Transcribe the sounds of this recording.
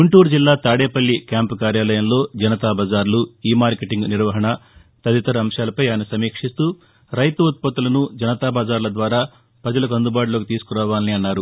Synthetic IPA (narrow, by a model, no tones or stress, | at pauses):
ɡuɳʈuːɾd͡ʒilːaːt̪aːɽeːpɐlːikaːmpukaːɾjaːlɐjɐmlo̞ːd͡ʒɐnɐt̪aːbaːd͡ʒaːɾluiːmaːɾkeʈiŋɡniɾʋɐɦɐɳɐ | t̪ɐd̪it̪ɐɾɐɐmʂjaːlɐpɐjaːjɐnɐsɐmiːkʂist̪uː | ɾɐjt̪uut̪̚pɐt̪ːulɐnud͡ʒɐnɐt̪aːbaːd͡ʒaːɾlɐd̪ʋaːɾaː | pɾɐd͡ʒɐlɐkuɐnd̪ubaːʈuloːk̬it̪iːsu̥kuɾaːʋaːnniɐnːaːɾu